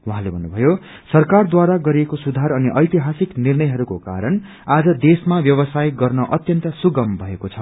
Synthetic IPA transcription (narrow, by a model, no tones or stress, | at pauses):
wuɦãlebʱʌnːubʱʌjo | sʌrkard̪waɾaɡʌɾiekosud̪ʱaɾʌniʔʌjt̪iɦasiknirnʌjɦʌɾukoka̰ɾʌn | ad͡zʌd̪esmabjʌβʌsajɡʌrnʌʔʌt̪jʌnt̪ʌsuɡʌmbʱʌekot͡sʰʌ